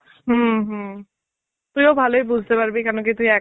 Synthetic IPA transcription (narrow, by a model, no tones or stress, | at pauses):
ɦuɦ | t̪uj̃ɔbʱalojbuzʱt̪epaɹbikanɔkit̪uĩɛ